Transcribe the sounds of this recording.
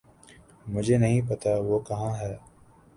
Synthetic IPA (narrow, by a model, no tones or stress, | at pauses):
mʊd͡ʒʱenɐɦĩpɐt̪aʋokɐɦãɦɛː